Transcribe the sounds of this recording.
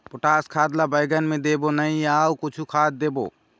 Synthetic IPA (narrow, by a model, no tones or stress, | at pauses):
pʊʈaːskʰaːd̪labəjɡənmẽd̪eːbonəĩaːukʊt͡ʃʰukʰaːt̪̚d̪eːbo̰ː